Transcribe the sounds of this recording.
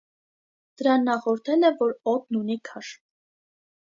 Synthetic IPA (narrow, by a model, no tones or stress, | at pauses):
d̪̥əɾɑnːɑχɔɾt̪ʰɛlɛvɔɾɔt̪̚nunikʰɑʃ